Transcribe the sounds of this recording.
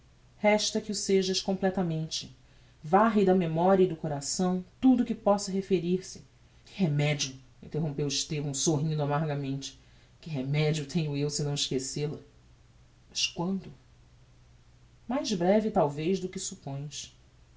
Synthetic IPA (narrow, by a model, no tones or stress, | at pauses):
hɛʃt̪ɐkɪʊseʒɐʃkõmplɛt̪ɐmẽnt͡ʃɪ | vaɦid̪ɐmemɔɾiɐɪd̪ʊkoɾasɐ̃w̃t̪ud̪ʊkɪpɔsɐɦefeɾiɾsɪ̥ | kɪ̥ɦemɛd͡ʒiʊ | ĩnt̪eɦõpewɪʃt̪evɐ̃w̃soɦĩnd̪ʊamaɾɡɐmẽnt͡ʃɪ̥ | kɪɦemɛd͡ʒiʊt̪ʰẽɲʊewsɪnɐ̃w̃ɪʃkeselɐ | mɐʃkwɐ̃nd̪ʊ | majzbɾɛvɪt̪awvejzd̪ʊkɪsupõj̃ʃ